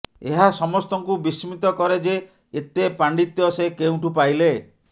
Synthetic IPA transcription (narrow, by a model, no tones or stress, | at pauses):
eɦasɔmɔst̪ɔŋkubisimit̪ɔkɔɾed͡ʒe | et̪epaɳɖit̪jɔsekew̃ʈupajle